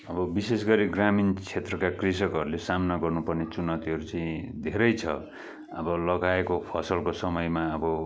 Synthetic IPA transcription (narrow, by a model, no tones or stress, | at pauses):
ʌbʌbisesɡʌɾiɡramint͡sʰet̪rʌkakrisʌkʌɾulesamnaɡʌrnupʌrnet͡sunʌt̪iɦʌɾut͡saĩd̪ʱeɾʌjt͡sʰʌ̰ | ʌbʌlʌɡaekopʰʌsʌlkosʌmʌjmaʌbʌ